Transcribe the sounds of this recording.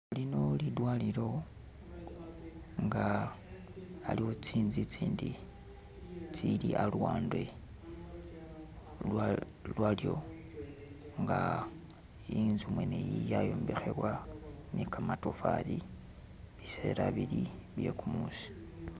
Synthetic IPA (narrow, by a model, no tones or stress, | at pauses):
alino̞lidwaːliɾo̞ | ŋɡa | aliho̞t͡siːnzit͡siːndi | t͡siliʔalwaːndwe | la | lwalijo̞ | ŋɡa | inzumwe̞nejijajoːmbexe̞βwanikamatofa̰li | βise̞̰ɾaβiliβje̞kumusi̥